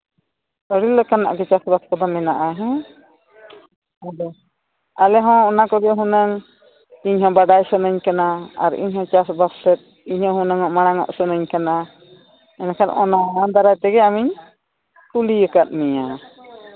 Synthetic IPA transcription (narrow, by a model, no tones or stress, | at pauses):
səɽiləkana̰ʔɡɛt͡ʃasbaskɔd̪ɔmɛnaʔaɦɛ̃ | ad̪ɔ | alɛɦɔ̃ːnakɔɡɛɦunəŋ | iɲɦɔ̃baɖajsənəɲkanaa̰ɾḭɲhɔ̃t͡ʃasbassɛt̪̚ | iɲhɔ̃hũnəŋɔʔmaɽ̃aŋɔ̰ʔsɔnəɲkana | ɛnakʰan̰ʔɔnaad̪aɾajt̪ɛɡɛamiɲ | kulijəkat̪̚miɲa